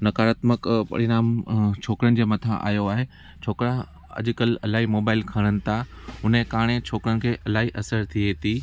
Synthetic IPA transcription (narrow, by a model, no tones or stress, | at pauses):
nɐkaːɾaːt̪məkpɐ̰ɽɪnaːmt͡ɕʰoːkɾənɪ̆d͡ʑeːmɐt̪ʰã̰ʔa̰ːjoaːɦe | t͡ɕʰoːkɾa | ɐ̰ʄʊ̆kəlɐlaːɦimoːbaːɪlkʰɐɽ̃ənɪ̆t̪ʰaʊnẽkaːɽ̃et͡ɕʰoːkɾənɪ̆kʰeːʔɐlaːɦiʔɐsəɾt̪ʰieːt̪ʰiː